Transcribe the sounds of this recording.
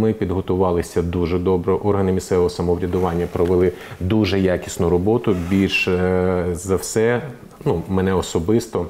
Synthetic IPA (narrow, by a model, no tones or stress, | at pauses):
mɪpʲid̪ɦɔt̪ʊʋɑlˠɪsʲɐd̪uʒɛd̪ɔbɾɔʔɔrɦɐnɪmʲist̪ɛʋɔɦɔsɐmɔʋɾʲɐd̪ʊʋɑnʲːɐpɾɔʋelˠɪ | d̪uʒɛjakʲi̥snʊɾɔbɔt̪ʊbʲilʲʃ | zɐwsɛ | numɛnɛɔsɔbɪst̪ɔ